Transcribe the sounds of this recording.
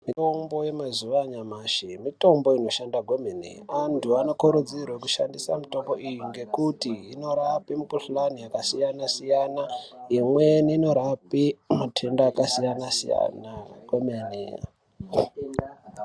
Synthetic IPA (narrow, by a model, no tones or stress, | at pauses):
mitombo̞je̞mazuʋaɲamaːʃemito̞mbo̞ino̞ʃandaɡwemenḛantuanokoɾud͡ziɾwook̬uʃa̰ndisamito̞mbo̞ʔijuŋɡe̞kutiino̞ɾapimukuɬulanijakasijanasijanaimweniino̞ɾapiinotʰe̞ndakasijanasḭja̰naɡwemanḛa̰